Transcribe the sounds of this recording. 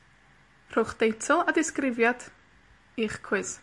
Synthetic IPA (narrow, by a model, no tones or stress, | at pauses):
r̥ʊχd̥ejtʰɔlˠadɪskrɪvjad̥ | iːχkʰw̥ɪs